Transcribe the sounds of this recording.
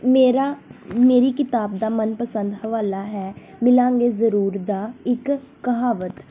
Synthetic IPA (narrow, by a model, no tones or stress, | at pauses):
meːɾameːɾiːkɪt̪aːbd̪aːmənpəsə̃nd̪ɦʋaːlaːɦɛː | mɪlãːŋɡeːzəɾuːɾd̪aːɪkː | əɦaːʋət̪